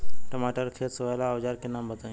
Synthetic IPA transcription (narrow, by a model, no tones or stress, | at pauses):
ʈəmaːʈəɾkʰeːsʋajlaːʋd͡ʒaːɾkenãːmbəd̪ã